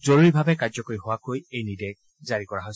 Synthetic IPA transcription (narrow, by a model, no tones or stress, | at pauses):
zoɹuɹibʱabɛkaɹzɔkoɹiɦʊwakojejnidɛ | zaɹikɔɹaɦɔj